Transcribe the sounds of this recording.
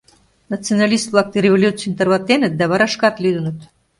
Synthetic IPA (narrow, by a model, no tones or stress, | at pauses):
nat͡sɨonɑlʲist̪blˠɑk̚t̪ɤɾʲevolʲut̪t͡sɨjnt̪ərβɑt̪ːenət̪̚d̪æβɑɾɑʃkɑt̪lʲyd̪ənət̪